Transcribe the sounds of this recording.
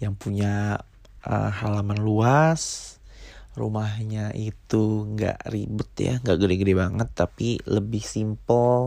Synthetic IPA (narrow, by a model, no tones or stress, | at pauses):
jaŋpuɲa | ə̰halamanluas | rṵmahɲaʔit̪uŋɡa̰ʔribʊt̪̚ja̰ŋɡaʔɡədeɡədebaŋət̪ːapiləbɪhsimpəl